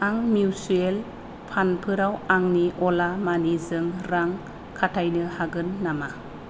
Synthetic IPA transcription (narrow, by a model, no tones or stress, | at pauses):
aŋmiusuel | pʰanpʰɯɾawaŋniʔɔlamanizɯŋɾaŋ | kʰatʰajnɯhaɡɯnːama